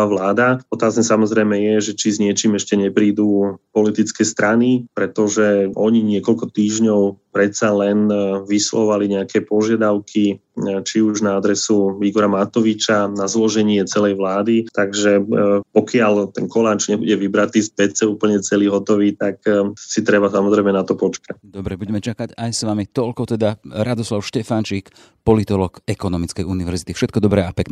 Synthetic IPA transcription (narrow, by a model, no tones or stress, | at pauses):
aʋlaːd̪aɔt̪aːznɛsamɔzɾɛjmɛjɛʒɛt͡ʃizɲɪɛt͡ʃiːmɛʃcɛɲɛpɾiːd̪uːpɔlit̪it͡skɛːst̪ɾanipɾɛt̪ɔʒɛʔɔɲiɲɪɛkɔlkɔt̪iːʒɲɔʊpɾɛt̪salɛnʋislɔ̰ɔʋaliɲɛakʰɛpɔʒɪad̪aʊkʰit͡ʃiuʒnaad̪ɾɛsuiɡɔɾamat̪ɔʋit͡ʃanazlɔʒɛɲɪɛt͡sɛlɛjʋlaːd̪it̪aɡʒɛpɔkɪalt̪ɛnkɔlat͡ʃɲɛbuɟɛʋibɾat̪iːspɛt͡sɛuːpl̩ɲɛt͡sɛliːɦɔt̪ɔʋiːt̪aksit̪ɾɛβasamɔzɾɛɪmɛnat̪ɔpɔt͡ʃkacd̪ɔbɾɛbuɟɛmɛt͡ʃakaɟajsʋamit̪ɔʎkɔt̪ɛd̪aɾad̪ɔslaʊʃcɛfant͡ʃik | pɔlit̪ɔlɔːkɛkɔnɔmit͡skɛjuniʋɛɾzit̪ifʃɛt̪̚kɔd̪ɔbɾɛapɛknɛ